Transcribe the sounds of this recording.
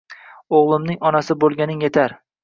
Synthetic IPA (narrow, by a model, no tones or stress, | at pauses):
oʁlˠɪmnɪŋɒnasɪbolˠɡʲanɪŋje̞t̪ʰaɾ